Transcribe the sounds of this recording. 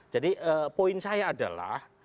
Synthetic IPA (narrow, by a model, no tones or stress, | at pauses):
d͡ʒadiʔəpoɪnsajaːda̰la̰h